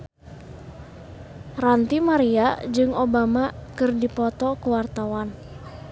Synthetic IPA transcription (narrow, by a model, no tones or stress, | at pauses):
rant̪imaɾiad͡ʒɨŋobamakɨrdipɔt̪ɔkuwart̪awan